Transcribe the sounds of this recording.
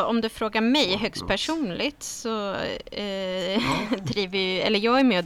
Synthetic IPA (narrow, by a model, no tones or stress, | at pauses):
ɔmd̪ɵfɾoːɡamɛjɦœkst̪̚pʰæʂuːnlɪt̪sɔ | d̪ɾiːvəjɛ̰lːəɾjɑːɡæɾmeːɔ